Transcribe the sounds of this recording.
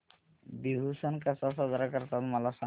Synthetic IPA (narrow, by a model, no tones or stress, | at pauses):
biɦusankasasazaɾakaɾt̪almalasa